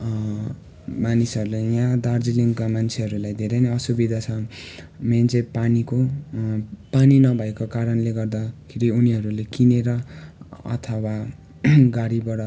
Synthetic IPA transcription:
manisʌɾulejãd̪ard͡ziliŋɡkamant͡sʰeɦʌɾulajd̪ʱeɾeneʌsubid̪ʱat͡sʰʌ | mjant͡sepaniko | paninʌbʱʌekokaɾʌnleɡʌrd̪akʰiɾiuniɦʌɾulekineɾʌ | ʌ̰t̪ʰʌwa | ɡaɽibʌɽʌ

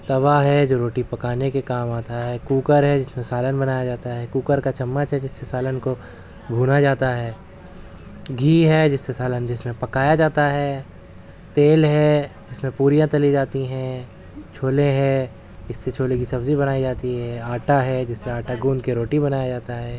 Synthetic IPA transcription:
t̪ɐʋaɦɛd͡ʒoːɾoːʈipɐkaːnekekaːmaːt̪aɦɛːkuːkəɾɦɛd͡ʒɪsmẽsaːlənbɐnaːjad͡ʒaːt̪aɦɛkuːkəɾkat͡ʃɐmːət͡ʃɦɛd͡ʒɪsːesaːlənko | bʱuːnad͡ʒaːt̪aɦɛː | ɡʱiːɦɛd͡ʒɪsːesaːlənd͡ʒɪsmẽpɐkaːjad͡ʒaːt̪aɦɛː | t̪eːlɦɛd͡ʒɪsmẽpuːɾijãt͡ʃɐlid͡ʒaːt̪iɦɛ̃ | t͡ʃʰoːlẽɦɛ̃ | ɪsːet͡ʃʰoːlekisɐbzibɐnaːid͡ʒaːt̪iɦɛaːʈaɦɛd͡ʒɪsːeaːʈaɡũːnd̪keɾoːʈibɐnaːjad͡ʒaːt̪aɦɛː

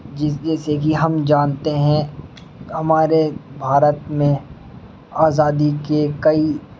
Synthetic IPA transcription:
d͡ʒɪd͡ʒɛːsekiɦɐmd͡ʒaːnt̪eɦɛ̃ | hɐmaːɾebʱaːɾət̪mẽ | aːzaːd̪ikekɐi

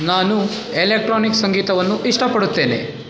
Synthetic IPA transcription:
naːnu | eleːk̚ʈɾoːniksɐŋɡiːt̪ɐʋɐnːuʔiʂʈɐpɐɽut̪ːeːne̞̰

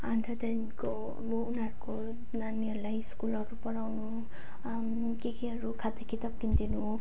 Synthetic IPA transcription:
and̪ʰʱad̪anko | mounʌɾuko | naniʌɾlajskulʌɾupʌɾawnu | kekiɦʌɾukʰat̪akit̪ap̚kind̪inu

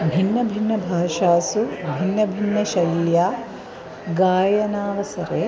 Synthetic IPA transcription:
bʱinːɐbʱinːɐbʱaːʃaːsubʱinːɐbʱinːɐʃɐjljaː | ɡaːjɐnaːʋɐsɐɾeː

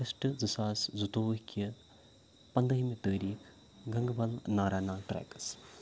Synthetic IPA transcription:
ɐsʈɨzɨsaːszut̪oːʋkɐ | pɐnd̪ɐɦimet̪əːɾiːkʰ | ɡɐŋɡbɐlnaːɾaːnaːʈɾa̰ːkɐs

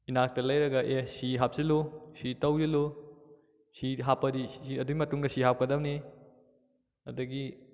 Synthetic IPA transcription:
inak̚tɐlɐjɾɐɡɐʔesiɦap̚zilusitɐwzilu | siɦapːɐdiiɐduɡimɐtuŋdɐsiɦap̚kɐdɐmni | ɐdɐɡi

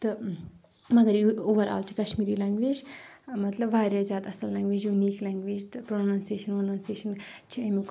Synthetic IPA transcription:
t̪ɨ | mɐɡɐɾuoːʋɐɾa̰ːlt͡ʃʰi̥kɐʃmiːɾiːlãːŋɡʋeːd͡ʒmɐt̪lɐbʋaːɾazʲjaːt̪ɐsɐlːãːŋɡʋeːd͡ʒjuniːklaːŋɡʋeːd͡ʒt̪ɨpɾonãːnseːʃɐnɐnãːnseːʃɐnt͡ʃʰiɐmuk

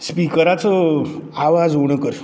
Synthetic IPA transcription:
spikəɾat͡sɔaʋad͡zuɽ̃əkəɾ

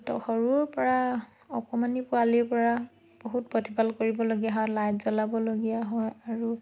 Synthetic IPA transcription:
tɔ̰xɔɹuɹpɔɹa | ɔkɔmanipʊaliɹpɔɹa | b̥oɦut̚potʰibalkoɹibɔloɡijaɦɔlajzɔlabɔloɡijaɦɔjaɹu

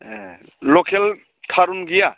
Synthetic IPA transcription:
ɛ | lɔkʰɛl | tʰaɾunɡija

